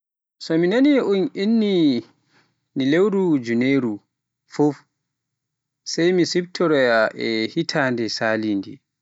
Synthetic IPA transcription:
sɔminaniʔuninːi | nilewɾud͡ʒuneɾu | fof | sajmisib̚tʰɔɾɔjaʔɛhitʰaːndɛsaːlindḭ

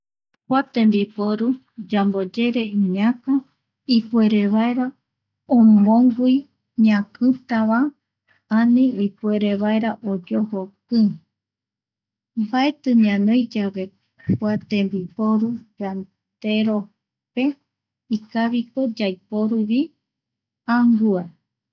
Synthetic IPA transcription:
kʷat̪ẽmbipoɾu | d͡ʒambod͡ʒe̞ɾe̞ɨ̃ɲãka | ipue̞ɾe̞βaeɾa | õmõŋɡi | ɲãkɨt̪aβa | anĩipwe̞ɾe̞βaeɾaʔod͡ʒohokɨ | mbae̞t̪ɨɲãnõjd͡ʒaβe̞ | kwat̪ẽ̞mbipoɾud͡ʒan | t̪e̞ɾo | pe̞ | ikaβiko̞d͡ʒajpo̞ɾuβi | aŋɡua

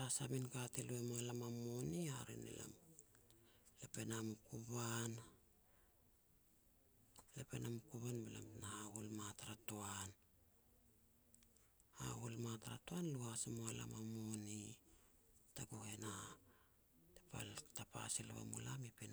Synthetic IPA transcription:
ɾasaminkateluemoalamamoniaɾḭnḛlʔa̰m | lepe̞namukuban | le̞pe̞namukuβanbela̰mnahahulmataɾatoan | ha̰hulmataɾa̰toanluhasemoala̰mamoni | taɡuhe̞na | tepa̰ltapa̰siluβa̰mṵlamipen

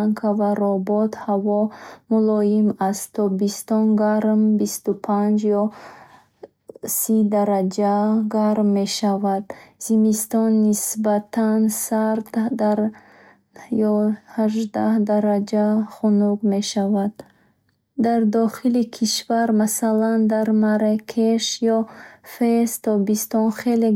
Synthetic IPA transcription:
ŋkʰavaɾɔbɔt̪havɔmulɔjimastt̪ʰːɔbist̪ɔnɡaɾmbist̪upʰand͡ʒjɔ | sid̪aɾad͡ʒaɡaɾmːe̞ʃavad̪z̥imist̪ɔnːisbat̪ʰansaɾt̪d̪aɾ | jɔhaʒd̪ahd̪aɾad͡ʒaχunuɡme̞ʃavad̪ː | aɾd̪ɔχilikʰiʃvaɾmasaland̪aɾmaɾakʰeʃjɔfest̪ʰɔbist̪ɔnχele

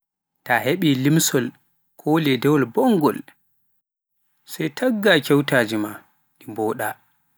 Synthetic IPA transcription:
taheɓilimsɔl | kʰoːlɛdɛwɔlbɔŋɡɔ̰l | sɛjtʰaɡːakɛwtaːd͡ʒima | ɗimbɔːɗa

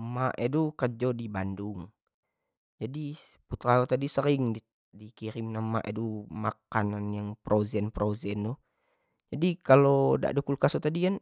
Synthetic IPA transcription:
maʔɛdukəd͡ʒɔdibanduŋ | d͡ʒadi | put̪ɾaɔt̪adisəɾiŋdi | dikiɾimnama̰ʔɛ̰dumakananjaŋpɾʔozɛnpɾozɛndu | d͡ʒadikaloda̰ʔdɔkulkasɔt̪adijan

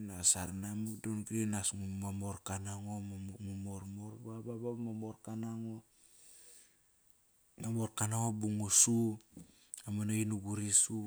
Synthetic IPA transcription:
nasaɾnamikdonɡɾinasŋumamoɾkanaŋomŋumoɾmoɾbababamamoɾkanaŋo | mamo̞ɾkanaŋobuŋusu | amanainuɡuɾisu

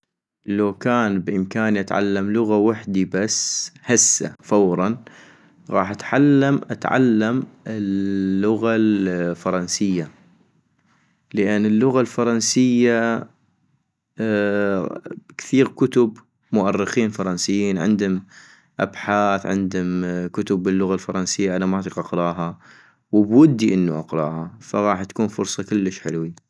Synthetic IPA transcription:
lawkaːnbʔɪmkaːniʔat̪ʕa̰lːamlʊɣawaħd̪ibashasːa̰fawɾˤɑn | ɣɑ̰ːħʔat̪ʕalːamʔat̪ʕa̰lːamɪlːʊɣalfɑɾˤɑnsɪjːa | ləʔɪnːəlːʊɣalfɑɾˤɑnsɪjːa | kθiːɣkʊt̪ʊb | mʊʔarːɪxiːnfɑɾˤɑnsɪjːiːnʕɪ̰nd̪ʊm | ʔa̰bħaːθʕɪ̰nd̪ʊmkʊt̪ʊbːɪlːʊɣalfɑɾˤɑnsɪjːaʔanamaːt̪ˤiqʔɑqɾˤɑːɦa | wəbwʊd̪ːiʔɪnːuʔɑqɾˤɑ̰ːhafaɣɑːħt̪ḁkuːnfʊɾsˤɑkɪlːəʃħɪ̰lwi

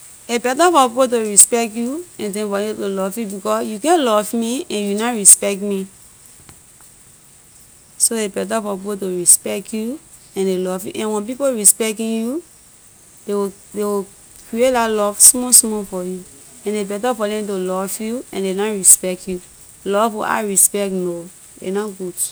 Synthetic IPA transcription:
ebɛtafɔppot̬oɹispɛktjuɛ̃ndɛ̃fɔdɛ̃tolɔvjubikɔsjukɛ̃nlɔvmiɛ̃njunɔɹispɛk̚tmi | soebɛt̬afɔpkotoɹispɛktju | ɛ̃ndelɔvjṵʔɛ̃nwɛ̃np̬ipoɹispɛktĩnju | dewi | dewi | kɹietdalɔvsmɔsmɔfɔju | ɛ̃nebɛtafɔdɛ̃tolɔvjuɛ̃ndenɔɹispɛktju | lɔva̰ɹispɛkno | ḛnɔɡud

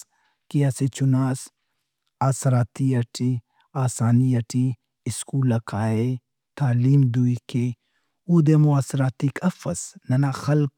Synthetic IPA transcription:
kijaset͡ʃunaːs | aːsɾaːt̪iɐʈʰi | aːsaːniɐʈi | ɪskuːlɐkʰaːe | t̪aːliːmd̪uike | ud̪emuaːsɾaːt̪ikʰɐfɐsnɐnaːxɐlk

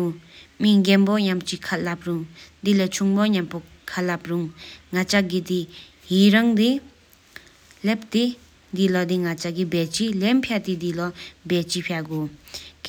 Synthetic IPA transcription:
miŋɡenboɲamt͡ɕikʰalap̚ruŋd̪ilat͡ɕʰuŋmoɲampo | kʰalap̚ruŋŋat͡ɕaɡid̪i | ɦiɾaŋd̪e | lep̚t̪e | d̪ilad̪iŋat͡ɕaɡibɛt͡ɕilempʰjat̪id̪ilabɛt͡ɕipʰaɡok

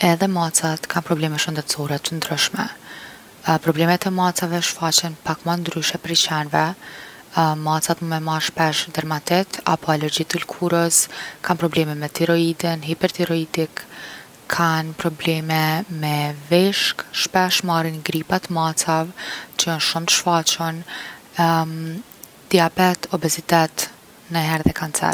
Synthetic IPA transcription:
ɛðɛmat͡sat̪kʰanpɾɔblɛmɛʃənd̪ɛt̪t͡sɔɾɛt̪ənd̪ɾəʃmɛ̰ | pɾɔblɛmɛt̪ɛmat͡savɛʃfat͡ɕɛnpakmand̪ɾyʃɛpɾit͡ɕɛnvɛ | masat̪məmɛmaɾʃpɛʃd̪ɛɾmat̪ɛt̪ʰa̰pʰɔɛlɛɾd͡ʑit̪əlkʰuɾəskʰanpɾɔblɛmɛmɛt̪iɾɔid̪inɦipɛɾt̪iɾɔid̪ikʰː | anpɾɔblɛmɛmɛvɛʃkʃpɛʃmarinɡɾipat̪masavt͡ʃəjɔnʃumt̪ə̥ʃfat͡ɕɔn | d̪̥iabɛt̪ɔbɛzit̪ɛt̪ | nəɦɛɾðɛkant͡sɛ̰ɾ

